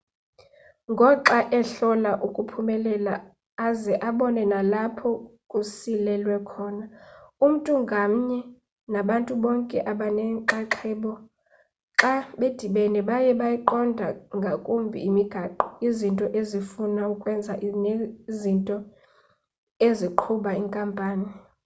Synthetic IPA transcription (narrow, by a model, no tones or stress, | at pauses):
ŋɡʱɔǁaʔɛɬɔlaʔukʼupʰumɛlɛlaː | zɛʔaɓɔnɛnalapʰɔkʼusilɛlwɛkʰɔːnaum̩tʼuŋɡʱam̩ɲɛ | naɓantʼuɓɔŋkʼɛʔaɓanɛǃaǃʰɛːɓɔ | ǁaɓed̥ʱiɓɛnɛɓajɛɓajiǃɔndʱaŋɡʱakʼumbʱḭːmiɡ̥ʱaǃɔ̥izintʼɔʔezifunaukʼwɛnd͡zʱaʔnezintʼɔ | eziǃʰuɓaiŋkʼampʼaːni